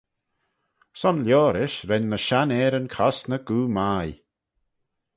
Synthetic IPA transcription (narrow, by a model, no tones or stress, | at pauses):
sɔnljoːɾɪʃɾɛnːəʃanɛːɾənkʰɔsnəɡ̥uːmaj